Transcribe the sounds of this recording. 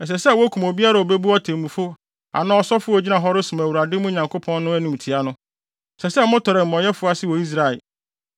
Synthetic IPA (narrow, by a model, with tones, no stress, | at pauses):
ɛ˨s̬ɛ˨sɛ˦˨wɔ˦kʰũ˨mo˨bi˦a˦ɾa˨o˨be˦bu˦ɔ˦tʰẽ˨mũ˨fʊ˦ | a̰˨nã˦ɔ˦sɔ˦fʊ˦ɔ˨d͡ʑi˦nã˨ɦɔ˦ɾɪ˦sʊ̃˨m˨æ˨wu˨ɾa˨dɪ˦mũ˦˨ɲã˨ŋkʰo˦pʰɔ̃˦nː˦ʊ̃˦æ˦nĩ˨m̩˨tʰi˨a˦nʊ̃˦˨ | sɛ˨sɛ˦mʊ̃˦tʰɔ˨ɾɛ˨m̩˨mɔ̃˨ɲɛ˦fʊ˦a˦sɪ˦wɔ˨i˦s̬ɾa˨ɪ˨